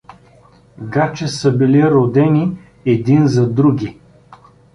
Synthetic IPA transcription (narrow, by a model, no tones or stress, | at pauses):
ɡat͡ʃɛsəbiliɾod̪ɛni | ɛd̪inzɐd̪ɾuɡʲi